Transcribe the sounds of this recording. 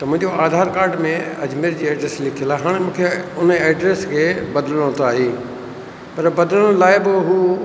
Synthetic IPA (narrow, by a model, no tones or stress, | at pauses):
t̪ɐmʊ̃ɦɪ̃ɲd͡ʑoaːd̪ʱaːɾkaːɾɖmẽɐd͡ʑmeɾd͡ʑiːeːɖɾeslɪkʰijəlaːɦaːɽ̃mũːkʰeʊnəeːɖɾeːskʰeːbɐd̪ələɽ̃õt̪ʰaːɦeː | pɐɾbɐd̪ləɽ̃ʊ̃laːɪbɪɦuː